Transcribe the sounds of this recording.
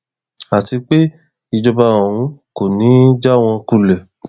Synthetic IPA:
a˨ti˧k͡pe˦ | i˦˧d͡ʒɔ˧ba˧õ˨ũ˧ko˨nĩ˨˦d͡ʒa˦w̃ɔ̃˧ku˦˨lɛ˨

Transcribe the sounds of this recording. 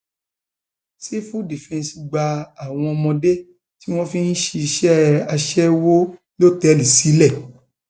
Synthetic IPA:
si˦fũ˦di˨fɛ̃˧˨si˧ɡ͡ba˧a˦˨w̃ɔ̃˧ɔ˧mɔ̃˧de˦ | ti˦w̃ɔ̃˦fĩ˦n̩˦ʃi˧i˧ʃɛ˦a˧ʃɛ˦wo˦ | lo˦˨tɛ˨˦li˨si˨˦lɛ˦˨

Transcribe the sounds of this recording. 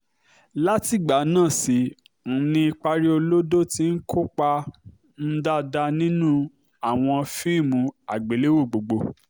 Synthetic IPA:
la˦ti˦˨ɡ͡ba˨˦nãː˦˨si˨˦ | n̩˨nĩ˧i˧k͡pa˧ɾi˦o˧lo˦do˦ti˨˦n̩˦ko˦k͡pa˧ | n̩˦da˦da˧nĩ˦nũ˦ | a˦˨w̃ɔ̃˧fi˦˨mũ˧a˨ɡ͡be˨˦le˦wo˦˨ɡ͡bo˨ɡ͡bo˧

